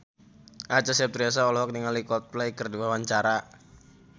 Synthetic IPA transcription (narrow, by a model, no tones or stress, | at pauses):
ʔat͡ʃasiap̚t̪ɾias̬aɔlɔɦɔk̚niŋalikɔt̪̚plɛjkərdiwawaɲt͡ʃaɾa